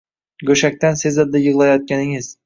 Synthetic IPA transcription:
ɡɵʃak̚ʲt̪ansɪzɒd̪̚d̪ajɨʁlˠajɒt̪̚kʲanɪŋɪz̥

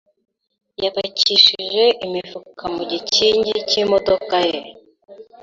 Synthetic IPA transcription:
jaβaciʃiʒe̞ʔimifukʰamuɟiciɲɟicimo̞do̞kaje

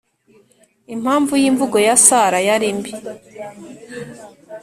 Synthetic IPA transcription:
im̥haːɱvujiːɱvuɡo̞jasaɾajaɾimbi

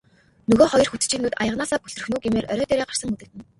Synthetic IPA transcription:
nɵɣoːχɔjɞ̆rxut̪̆t͡ɕiːnuːt̪ajə̆ʁnaːsaːpɵɮɵ̆r̆xnuːɡimeːrʔœ̰ɾʲɔːt̪eːɾeːɢarsə̆ŋɵt̪ɘ̆t̪ɘ̆n

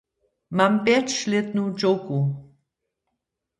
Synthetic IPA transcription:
mampɛt͡ʃlet̪nud͡ʒoku

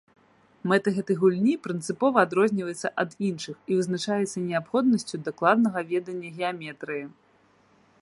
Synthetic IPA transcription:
mɛt̪ɐɣɛt̪ɨjɣulʲnʲipɾɨnt̪sɨpɔvɐːd̪ɾɔzʲnʲivɐjɛt̪sːɐʔɐd̪inʂɨxivɨznat͡ʂajɛt̪sːɐnʲɛapxɔd̪̚nɐsʲt͡sʲud̪ɐklˠad̪nɐɣɐvʲɛd̪ɐnʲːɐɣʲɛamʲɛt̪ɾɨji

